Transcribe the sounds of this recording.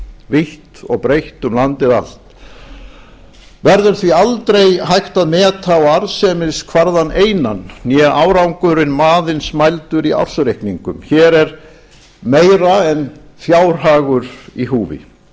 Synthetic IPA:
vɪht̪ɔ̰ɣpɾejht̪ʏmlant̪ɪða̰l̥t̪ | vɛɾðʏɾ̥θvialt̪ɾejɦajht̪aðmɛːt̪ʰawaɾsɛmɪskʰvaɾðanejnanːjɛʔaːwɾawŋkʏɾɪnmaːðɪnsmajlt̪ʏɾia̰̥sɾejhkniŋkʏmçɛːɾɛɾ | meːjɾaɛn | θjaːwɾ̥ɦaːɣʏɾ̥iɦuːvɪ̰

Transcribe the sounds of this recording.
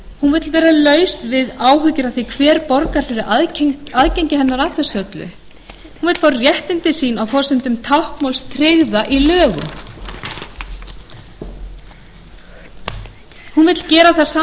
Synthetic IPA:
hunvɪt̪lvɛːɾalœːɥsvɪðaːwɦʏcɪɾaθikʰvɛːɾpɔɾkaɾ̥fɪɾɪʔaaðcejɲcɪhɛnːaɾat̪ʰɛsœt̪lʏ̰ | hunvɪt̪l̥faːɾarjɛht̪ɪnt̪ɪsiːnawfɔːsɪmt̪ʏmt̪ʰawhkmawlst̪ʰɾɪɣðaʔilœːɣʏ̰ | hunvɪt̪l̥cɛːɾaθaðsaː

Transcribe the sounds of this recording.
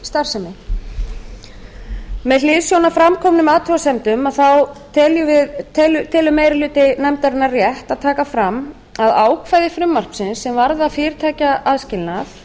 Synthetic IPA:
st̪ar̥sɛmɪ | mɛðlɪːðsjownafɾamkʰɔmnʏmaːt̪ʰuasɛmt̪ʏmaðθawt̪ʰɛljʏvɪðt̪ʰlʏt̪ʰɪlʏmːeːjɾɪlʏːt̪ɪnɛmt̪aɾɪnːarjɛht̪aðt̪ʰaːkafɾamː | aðaːwkʰvaːjðɪfɾʏmːar̥psɪnsːɛmvaɾðaðfɪːɾ̥t̪ʰaːcaʔaðscɪlnaθ

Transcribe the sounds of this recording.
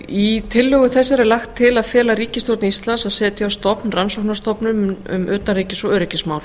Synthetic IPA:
it̪ʰɪlːœɣʏθɛsːaɾɛɾlaxt̪ʰːɪlaðfɛːlaɾiːcɪst̪owɾt̪nɪist̪lansaðsɛːt̪ɪawst̪ɔpnransowknast̪ɔpnʏmʏ̰mœːt̪ariːcɪsɔœːɾɪcɪsmaːwl̥

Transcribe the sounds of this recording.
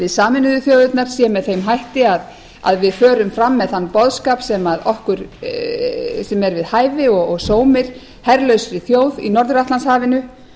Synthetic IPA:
vɪðsaːmɪnʏðʏθjoːwðʏt̪naɾ̥sjɛmɛðθejmɦajht̪ɪað | a̰ðvɪðfœːɾʏmfɾamːɛðθanːpɔðskaːpsɛmaðɔhkʏɾ̥ | sɛmɛɾvɪðhaːjvɪɔɣɔɣsoːwmɪɾ̥ | hɛɾlœɥsɾɪθjoːwðḭnɔɾðʏɾaht̪lanshaːvɪnʏ

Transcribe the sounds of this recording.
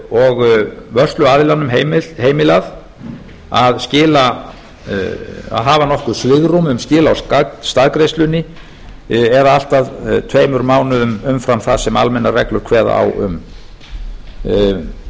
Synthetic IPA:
ɔɣvœr̥st̪lʏaðɪlanːʏmɦemɪlheːjmɪlað | aðscɪːla | a̰ðɦaːvanɔhkʏsvɪɣɾumʏmscɪːlaawsast̪aðkɾejst̪lʏnːɪ | ɛɾaal̥t̪aðt̪ʰveːjmʏɾmaːwnʏðʏmʏmfɾamθaðsɛmalmɛnːarɛklʏɾ̥kʰvɛːða̰a̰wʏ̰m

